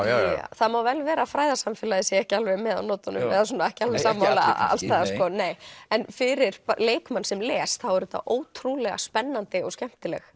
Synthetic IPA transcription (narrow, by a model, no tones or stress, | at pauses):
θaðmawvɛlvɛːɾafɾaːjðasamfɪːlaðɪsɛɛhcɪalvɛjmɛːða̰wnɔːt̪anʏ̰mɛðas̬uːnaɛhcɪalvɛsaːmːawlla̰a̰lst̪ɛðaskɔːneːjɛnfɪɾɪɾ̥leːjkmansɛmlɛːsθawɛɾʏθa̰ʔoːwt̪ʰɾuːlɛɣa̰spɛnːant̪ɪɔ̰ɣscɛm̥t̪ɪlɛ̰x